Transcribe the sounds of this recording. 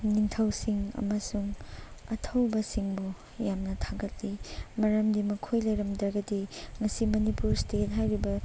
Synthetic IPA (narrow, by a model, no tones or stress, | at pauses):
niŋtʰɐwsiŋɐ̰mɐsuŋɐtʰɐwbɐsiŋbu | jamnɐtʰaɡɐt̚limɐɾɐmdimɐkʰojlɐjɾɐmdɐɾɡɐdiŋɐsimɐnipuɾstet̚ɦajɾibɐ